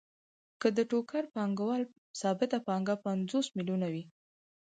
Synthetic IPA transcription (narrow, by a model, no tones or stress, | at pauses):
kəd̪əʈokaɾpɑŋɡawɑl | sɑbɪt̪apɑŋɡapand͡zosmiljunawi